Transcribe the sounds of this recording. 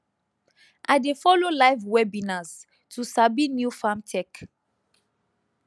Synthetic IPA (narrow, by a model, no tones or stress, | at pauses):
ʔadefɔlolajvwɛbĩnaz | tusabinjufamtʰɛk